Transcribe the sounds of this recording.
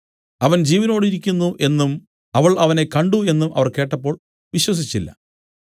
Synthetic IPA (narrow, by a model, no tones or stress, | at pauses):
ɐʋɐnd͡ʑiːʋɐno̞ːɽiɾikʲːunːuʔe̞nːum | ɐʋɐɭɐʋɐnekɐɳɖue̞nːumʔɐ̰ʋɐrke̞ːʈːɐpːo̞ːɭ | ʋiɕwɐs̬it͡ɕːilːɐ̰